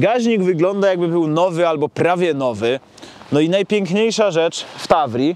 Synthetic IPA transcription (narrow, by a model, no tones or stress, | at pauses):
ɡaʑɲiɡvɘɡlɔnd̪ajaɡ̚bɘbɘwnɔvɘalbɔpɾavʲjɛnɔvɘ | nɔinajpʲjɛŋkɲejʂaʐɛt͡ʂft̪avɾʲi